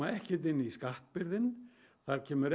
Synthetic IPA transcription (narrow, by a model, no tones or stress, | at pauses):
aɛhcɪt̪̬ɪnːɪiskaht̪pɪɾðɪn | θaɾcʰɛːmʏɾ